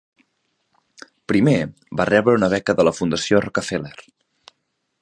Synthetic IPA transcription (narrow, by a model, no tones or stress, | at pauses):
pɾime | barɛβɾəunəβɛkəðələfund̪əsiorɔkəfeler